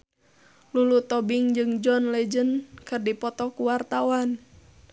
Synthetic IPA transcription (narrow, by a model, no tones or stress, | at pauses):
lulut̪ɔbiŋd͡ʒɨŋd͡ʒɔnlɛd͡ʒənkɨrdipɔt̪ɔkuwart̪awan